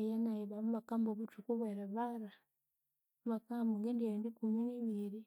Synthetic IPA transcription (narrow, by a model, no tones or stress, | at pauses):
janaiβamuβakamboβutukuβeɾeβaɾa | muβakambuŋɡendiendikuminiβiɾi